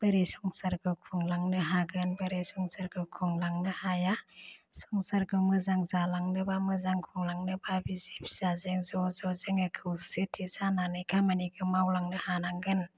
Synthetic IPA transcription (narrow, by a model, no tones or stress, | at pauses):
b̥əɾesɔŋsaɾkʰɯkʰuŋlaŋnɯɦaɡɯnbɐɾesɔŋsaɾɡɯkʰuŋlaŋnɯhajasɔŋsaɾkʰɯmɯzaŋzalaŋnɯbamɯzaŋkʰɔŋlaŋnɯbabizip̚ʰz̥azeŋzɔzɔzeŋɯkʰɯwsɯtʰizananɯjkʰamaniɡɯmawlaŋnɯhanaŋɡɯn